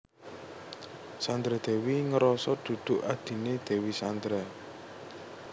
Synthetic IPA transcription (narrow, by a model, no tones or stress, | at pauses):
sand̪ɾɛd̪̥ɛ̤wiŋəɾɔsɔd̪̥ṳd̪̥ʊ̤ʔad̪̥i̤ned̪̥ɛ̤wisand̪ɾɛ